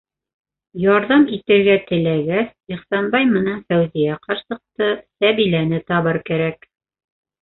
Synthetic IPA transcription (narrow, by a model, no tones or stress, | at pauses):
jɑɾðɑmit̪ɘ̆ɾɡæt̪ɘ̆læɡæsiχsɑnbɑjmɤ̆nænfæwzijæqɑɾsɤ̆q̚t̪ɤsæβilænɘt̪ɑβɤɾkæɾæk